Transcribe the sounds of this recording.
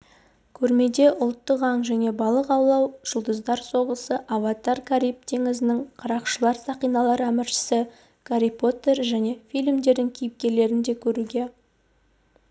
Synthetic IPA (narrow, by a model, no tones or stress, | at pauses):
kʲʰɵɾme̞d̪e̞ʔʊlˠt̪ːəqɑŋʒæne̞bɑlˠəqɑwlˠɑwʒ̥ʊlˠd̪əzd̪ɑɾso̞ʁəsəʔavat̪ɑɾkʰaɾijp̚t̪ʰe̞ŋɪzɪnɪŋqʰɑɾɑqʃəlˠɑɾsɑqijnɑlˠɑɾæmɪɾʃɪ̥sɪ | kʰaɾipo̞t̪e̞ɾʒæne̞fijlʲmd̪e̞ɾd̪ɪŋkʲʰijɪp̚kʲe̞le̞ɾɪnd̪e̞kʲʰɵɾuɡʲe̞